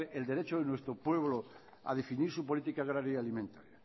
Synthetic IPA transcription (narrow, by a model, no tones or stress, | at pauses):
eʔeld̪e̞ɾet͡ʃoðenwest̪ɾopweβlo | a̰ðefiniɾsupolit̪ikaɣ̞ɾaɾjialimẽnt̪aɾja